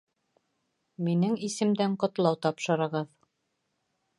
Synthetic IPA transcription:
minɘŋisɘ̆md̪æɴqŏt̪lˠɑwt̪ɑpʃɤ̆ɾɤ̆ʁɤð

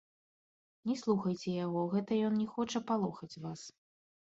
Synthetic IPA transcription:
nʲɛslˠuxɐjt͡sʲɛjaɣɔɣɛt̪ɐjɔnnʲɛxɔt͡ʂɐpalˠɔxɐt͡sʲvas

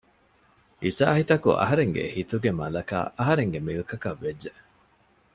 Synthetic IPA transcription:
isa̰ːhit̪ɐkṵʔɐ̰ɦɐɾeŋɡḛhit̪uɡemɐlɐka̰ːɐɦɐɾeŋɡemilkɐkɐʋːedːe

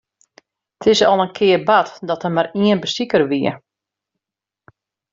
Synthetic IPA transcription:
tʰɪsɔ̰lˠənkʰɪərbatdɔtəmaɾiənbəstikərʋiə̰

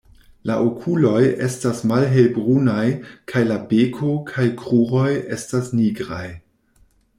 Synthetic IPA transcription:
laʔokʰulo̞je̞̰stasmalɦelbʁunajkʰajlabekʰo̞kʰajkʁuʁo̞je̞stasniɡɾaj

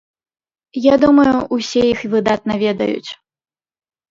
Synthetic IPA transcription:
jad̪umɐjuʔːsʲɛjixvɨd̪at̪̚nɐvʲɛd̪ɐ̰jṵt͡sʲ

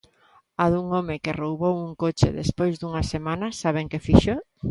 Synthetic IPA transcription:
aðuŋomɪkɪrowβowuŋkot͡ʃɪ̰ðḛspojzd̪uŋɐsemanɐsaβ̞eŋkɪfiʃo

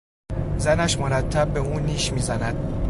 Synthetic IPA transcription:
zænæʃmoɾæt̪ʰːæb̚ːe̞uːniːʃmiːzænæd̪̥̚

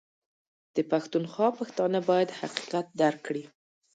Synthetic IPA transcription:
d̪̥əpaxt̪unxwɑpaxt̪ɑnəbɑjad̪haqi̥qat̪̚d̪aɾkːɽi

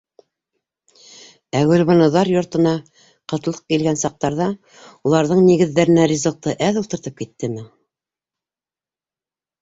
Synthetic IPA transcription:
æwɘ̆lβonŏðɑɾjŏɾt̪ɤ̆nɑ | qɤ̆t̪̆lˠɤ̥q̚kilɡænsɑq̚t̪ɑɾðɑ | ulˠɑɾðɤɴniɣɘ̆ðːæɾɘ̆nærʲizolt̪ːɤʔæðult̪ɤ̆ɾt̪ɤp̚kit̪ːɘmɘ

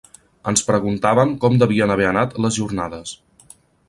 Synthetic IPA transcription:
ənspɾəɣunt̪aβəmkɔmd̪əβiənəβ̞eənat̪ləzʒurnaðəs

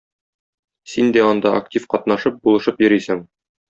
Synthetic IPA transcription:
sind̪æɒnd̪ɑʔɐktʲifqɒt̪nɑʃɤp̚bulˠɤ̆ʃɤpjɵ̆ɾisɘŋ

